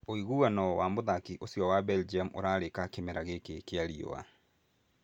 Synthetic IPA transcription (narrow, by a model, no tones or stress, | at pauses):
oiɣuanɔwamoðakiʔosjɔwabɛld͡ʒiamʔo̰ɾaɾekakemɛɾaɣekekeaɾio̰a̰